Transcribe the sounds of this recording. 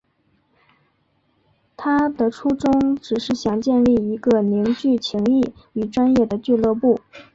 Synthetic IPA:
t̪ʰa˥d̪ə˨ʈ͡ʂʰu˥ʈ͡ʂʊ˥ŋʈ͡ʂɻ̩˨˩ʂɻ̩˥˩ɕjɑ˨˩ŋt͡ɕjɛ˥˧nli˥˩i˧˥ɡə˧ni˧˥ŋt͡ɕy˥˩t͡ɕʰi˧˥ŋi˥˩y˨˩ʈ͡ʂwa˥njɛ˥˩d̪ə˩t͡ɕy˥˧lɤ˥˧pu˥˩

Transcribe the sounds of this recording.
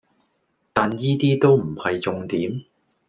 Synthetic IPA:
t̪aː˨njiː˥t̪iː˥t̪o˥wm̩˨˩hɐ˨jt͡sʊ˧ŋt̪iː˨˥m

